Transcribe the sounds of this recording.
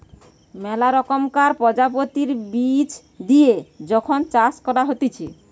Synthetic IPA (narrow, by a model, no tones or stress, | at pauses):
mɛlaɾɔkɔmkaɾpɔd͡ʒapot̪iɾbit͡ʃ | d̪ied͡ʒɔkʰɔnt͡ʃaskɔɾaɦot̪it͡ʃʰe